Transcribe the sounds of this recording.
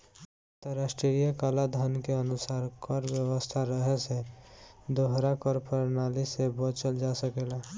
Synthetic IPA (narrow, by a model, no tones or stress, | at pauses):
t̪əɾasʈɾiijakalad̪ʱənkeənʊsaːɾkəɾwjəwəst̪ʰaɾəɦese | d̪oɦɾakɔɾpəɾnalisebɔt͡ʃəld͡ʒasəkela